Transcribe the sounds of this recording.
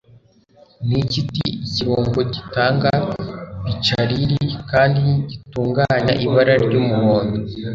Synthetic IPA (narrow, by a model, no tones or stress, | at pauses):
nicitḭciβoːŋɡo̞ɟitaːŋɡaβit͡ʃaɾiɾikaːndiɟituːŋɡaːɲaʔiβaɾaɾɟoːmuβoːndo